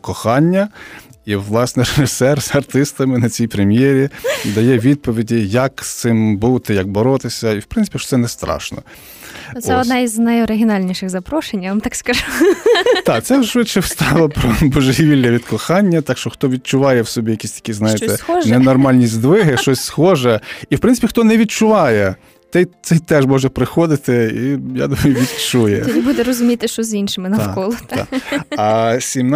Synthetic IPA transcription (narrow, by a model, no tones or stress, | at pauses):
kɔxɑnʲːɐiʋlˠɑsnɪɾeʒɪsɛrzɐrt̪ɪst̪ɐmɪnɐt͡sʲijpɾemʲjɛɾʲid̪ɐjɛʋʲid̪̚pɔʋʲidʲijɐkst̪sɪmbut̪ɪjɐɡ̚bɔɾɔt̪ɪsʲɐiwpɾɪnsɪ̥pʲiʃɔ̥tsɛnɛst̪ɾɑ̰ʃnɔ̰ | ɛɔd̪niznɐjɔɾɪɦʲɪnɑlʲnʲiʃɪxzɐpɾɔʃenʲʋamt̪ɑkskɐʒut̪ɑt̪sɛʃʋɪt̪t͡ʃɛwst̪ɑlˠɐpɾɔbɔʒɦiʋʲilʲnɛʋʲid̪kɔxɑnʲːɐt̪ɑkʃt͡ʃɔxt̪ɔʋʲid̪̚t͡ʃʊʋɑjɛwsɔbʲijɐkʲisʲt̪ɐ̥kʲiznɑjet̪ɛɔʒnɛnɔrmɑlʲnʲizʲd̪ʋɪɦɪʃt͡ʃɔsʲsxɔʒɛiwpɾɪnsɪ̥pʲixt̪ɔnɛʋʲid̪̚t͡ʃʊʋɑjɛ | t̪ɛjt̪sɛjt̪ɛʒmɔʒɛpɾɪxɔd̪ɪt̪ɪija̰d̪umɐjʊʋʲid̪t͡ʃujɛ̰dʲibud̪ɛɾɔzʊmʲit̪ɪʃt͡ʃɔzinʃɪmɪnɐkɔlˠɔa̰ɐsʲimn